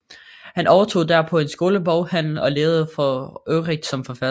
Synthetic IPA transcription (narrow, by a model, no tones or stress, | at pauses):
hænʔɒʊɐt͡sʰo̝̰ːd̥æɐpʰɒ̽e̝nsɡ̥o̝ːləb̥ɒʊhæn̰l̩ɒ̽leːʊð̩ˠəfɒøːʁiɡ̥sɒ̽mfɒ̽fæ